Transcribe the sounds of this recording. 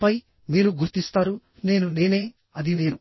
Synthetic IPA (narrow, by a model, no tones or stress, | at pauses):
pɐj | miːɾuɡuɾt̪ist̪aːɾu | ne̞ːnune̞ːne̞ː | ɐd̪imeːɾu